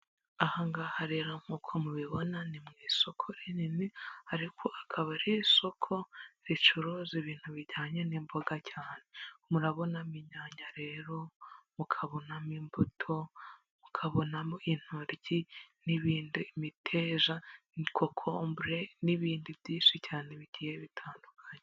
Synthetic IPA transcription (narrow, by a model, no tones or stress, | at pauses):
ahaŋɡahaɾeɾam̥ukʰomuβiβo̞nanimŋiːso̞kʰoɾininihaɾikʰo̞ʔakʰaβaɾiso̞kʰo̞ɾit͡ʃuɾoziβiːn̥huβiɟaːɲe̞nimboɡacʰaːne̞muɾaβo̞namiɲaːɲɟaɾe̞ːɾo̞mukʰaβo̞namimbutʰo̞ | mukʰaβo̞namoin̥huɾɟiniβiːndimitʰeːʒa | kʰokʰombuɾe̞niβiːndibjiːnʃicaːne̞βiɟiːje̞βitʰaːndukʰaɲe